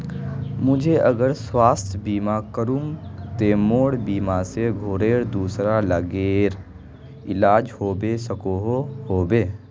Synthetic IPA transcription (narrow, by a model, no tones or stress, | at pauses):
mʊd͡ʒʱeəɡəɾswaːst̪ʰjbiːmakəɾũŋɡt̪eːmoːɽbiːmaseɡʱoːɾeːɾd̪uːsɾaləɡeːɾ | ɪlaːd͡ʒhoːbesəkoɦohoːbeː